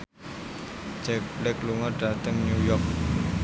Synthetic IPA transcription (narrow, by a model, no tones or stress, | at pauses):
d͡ʒɛk̚blɛkluŋɔɖ̥a̤t̪əŋɲujɔk̚